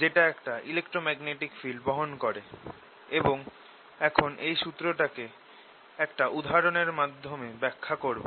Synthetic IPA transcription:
d͡ʑeʈaɛkʈaʔilekʈɾomɛɡneʈikfilɖbɔɦonkoɾe | eboŋ | ɛkʰonʔejʃut̪ːɾoʈake | ɛkʈaʔud̪ʱaɾoneɾmad̪ʱːomebɛkʰːakoɾbo

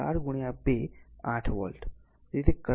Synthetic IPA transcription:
a̰ɾɡuɽ̃jabeaʈʰʋɔ̰lʈ | it̪ekə

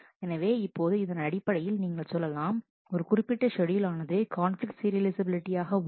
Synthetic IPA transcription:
ɛnɐʋeːɪpːoːðɯɪðɐnɐɽɪpːɐɽɐjɪlniːŋɡɐɭsɔlːɐlaːm | ɔɾɯkʊrɪpːɪʈːɐʂɔɽɪjɪlaːnɐðɯkaːnflɪk̚ʈsɪɾɪlɪsɐbɪlɪʈːɪjaːɣɐ

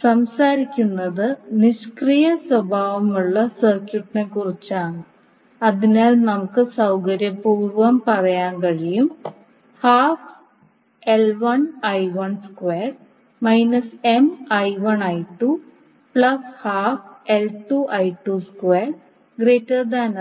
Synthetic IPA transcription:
sɐmsaːɾikʲːunːɐðɨniʂkrijɐswɐbʱaːʋɐmuɭːɐsɐrkjuʈːnekurit͡ɕːaːɳɨ | ɐðinaːlnɐmukːɨsɐwkɐɾjɐpuːrʋɐmpɐrɐjaːnkɐɻijum | haːf | elʋɐnɐjʋɐɳskʋeːr | mɐjnɐse̞mɐjʋɐɳɐjʈːu | pɭɐshaːfelʈuʔɐjʈːuskweːr | ɡreːtːɐd̪aːnɐ

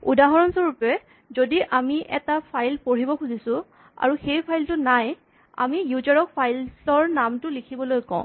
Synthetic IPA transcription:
udaɦɔɹɔnsɔɹupɛ | zodiʔamiʔɛtapʰajlpoɹibɔkʰuzisʊ̃ | a̰ɹuxejpʰajltʊnaj | a̰mijuzɔɹɔk̚pʰajlsɔɹnamtʊlikʰibɔlojkɔ̰̃ʊ̃

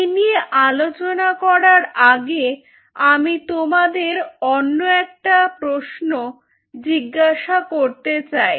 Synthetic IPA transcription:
enieʔalot͡ɕonakɔɾaɾaɡe | amit̪omad̪eɾonːoɛk̚ʈapɾoʃno | d͡ʑiɡːaʃakoɾt̪et͡ɕaj

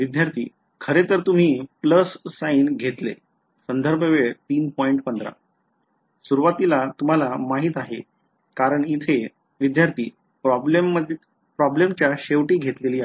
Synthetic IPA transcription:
ʋid̪jaɾt̪ʰḭː | kʰəɾet̪əɾt̪um̤iːpləsːainɡʱet̪lḛ | sənd̪ʱəɾbʱəʋeɭt̪iːnpɔiɳʈpənd̪ɾa̰ | suɾuʋat̪ilat̪um̤alamaɦiːt̪aɦḛ | kaɾəɳit̪ʰe | ʋid̪jaɾt̪ʰiː | pɾɔblemːə | pɾɔblemt͡ɕjaɕeʋʈiːɡʱet̪leliːa

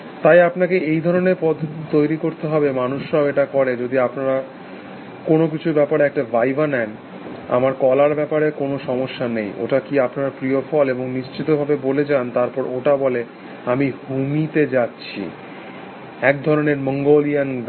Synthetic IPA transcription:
t̪ajapnakeʔejd̪ʱɔɾoneɾpɔd̪ʱt̪ojɾikoɾt̪eɦɔbemanuʃɾaoeʈakɔɾed͡ʑod̪iapnaɾa | konok̬it͡ɕʰubɛpaɾeɛk̚ʈavajbanɛn | a̰maɾkɔlaɾbɛpaɾekonoʃɔmoʃːanejo̰ʈakiapnaaɾpɾiofʰɔleboŋniʃt͡ɕit̪obʱabeboled͡ʑant̪aɾpɔɾoʈabɔle | amiɡumit̪ed͡ʑatːɕʰḭ | ɛk̚d̪ʱɔɾoneɾmɔŋɡolijan

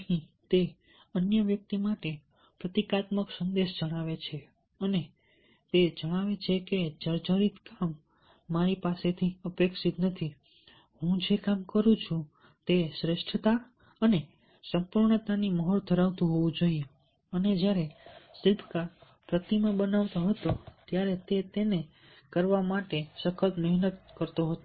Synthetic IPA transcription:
ɦĩt̪e | ənjəʋjək̚t̪imaʈe | pɾət̪ikat̪məksənd̪eʃd͡ʒəɽ̃aʋet͡ʃʰe | əne | t̪ed͡ʒəɽ̃aʋet͡ʃʰeked͡ʒəɾd͡ʒəɾit̪kamː | aɾipaset̪ʰiəpekʃit̪nət̪ʰi | hũd͡ʒekamkəɾũt͡ʃʰũ | t̪esɾeʃʈʰt̪a | əne | sə̃mpuɾɳt̪animəɦɔɭt̪ʰəɾaʋt̪ũɦoʋũd͡ʒoie | əned͡ʒjaɾesɪlpʰka | pɾət̪imãbənaʋt̪oɦət̪ot̪jaɾet̪et̪ene | kəɾʋamaʈesəkʰət̪nəɦnət̪̚kəɾt̪oɦət̪o

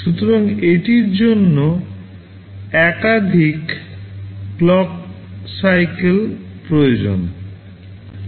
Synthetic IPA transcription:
ʃut̪oɾaŋeʈiɾd͡ʑonːo | ɛkad̪ʱikː | lɔk | sajkelpɾojod͡ʑo̰n

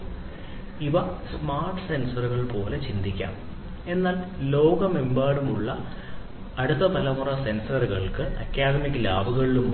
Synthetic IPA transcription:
iʋɐsmaːrʈɨ̥se̞nsɐruɣɐɭpo̞ːle̞t͡ɕind̪ikʲːa̰ːm | e̞nːaːllo̞ːɡɐme̞mbaːɽumuɭːɐ | ɐɽut̪ːɐpɐlɐmurɐse̞nsɐruɣɐɭkɨʔɐ̰kʲːaːd̪ɐmikːɨlaːbʱuɣɐɭilum

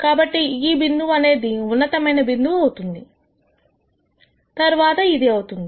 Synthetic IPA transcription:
kaːbɐʈːiiːbind̪uʋɐne̞ːd̪iunːɐt̪ɐmɐjnɐbind̪uʋɐwut̪und̪i | t̪ɐɾʋaːt̪ɐid̪iɐwut̪und̪i

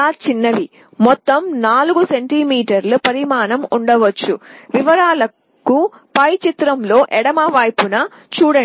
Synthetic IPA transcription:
aːt͡ʃinːɐʋi | mɔt̪ːɐmnaːluɡuseɳʈiːmiːʈɐɾlupɐɾimaːnɐmuɳɖɐʋɐt͡ʃːuʋiʋɐɾaːlɐ | kːu | pɐjt͡ʃit̪ɾɐmlo̞ːʔɛɽɐmaːʋaːjpunɐ | t͡ʃuːɽɐ

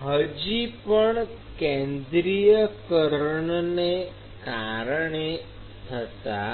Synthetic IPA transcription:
ɦəd͡ʒipəɳ | kɛẽnd̪ɾijəkəɾɳne | kaɾəɳe | t̪ʰət̪a̰

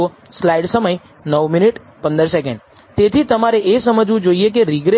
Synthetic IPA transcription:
o | slaiɖsəməj | nəʋminiʈ | pə̃nd̪əɾsek̬ə̰̃ɳɖ | t̪et̪ʰit̪əmaɾeʔesəməd͡ʒʋũd͡ʒoiekeɾiɡɾe

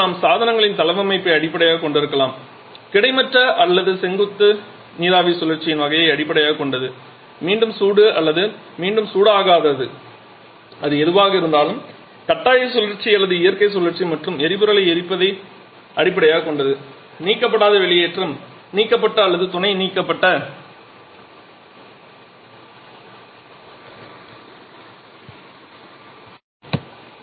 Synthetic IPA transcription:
naːmsaːðɐnɐŋɡɐɭɪnt̪ɐlɐʋɐmɐɪpːɐɪɐɽɪpːɐɽɐjaːkɔɳɖɪɾɯkːɐlaːm | kɪɽɐɪmɐʈrɐʔɐlːɐðɯsɛŋɡɯt̪ːɯ | niːðaːʋisʊlɐɾt͡ʃːɪjɪnʋɐɣɐjɐɪɐɽɪpːɐɽɐjaːɣkɔɳɖɐðɯ | miːɳɖɯmsuːɽɯɐlːɐðɯ | miːɳɖɯmsuːɽaːɣaːðɐðɯ | ɐðɯɛðɯʋaːɣɐɪɾɯnd̪aːlɯm | kɐʈːaːjɐɪsɔlɐɾt͡ʃːɪɐlːɐðɯɪjɐɾkɐɪsɔlːɐɾt͡ʃːimɐʈrɯmɛɾɪbɯɾɐɭɐɪɛɾɪpːɐðɐɪ | ʔɐɽɪp̬ːɐɽɐjaːkɔɳɖɐðɯ | niːkːɐpːɐɽaːðɐʋɛɭɪjeːʈrɯm | niːkːɐpːɐʈːɐːlːɐðɯt̪ʊnɐɪniːkːɐpːɐʈːɐ

